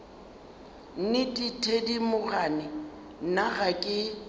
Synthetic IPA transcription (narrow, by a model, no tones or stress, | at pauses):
n̩nɪdʼitʰedimʊɣanɪ | naɣakʼɪ